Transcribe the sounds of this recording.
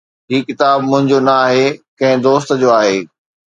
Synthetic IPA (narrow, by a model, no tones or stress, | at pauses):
ɦiːkɪt̪aːbmʊ̃ɦɪ̃ɲd͡ʑonɐaːɦekɐ̃ɦɪ̃d̪oːst̪d͡ʑoːaːɦeː